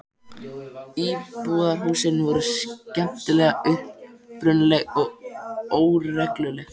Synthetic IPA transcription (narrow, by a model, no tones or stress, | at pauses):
iːpuːðaɾ̥huːsɪnvɔɾʏscɛm̚t̪ɪlɛːɣaʏhppɾʏnlɛɣɔɣoːwrːɛklʏlɛɣ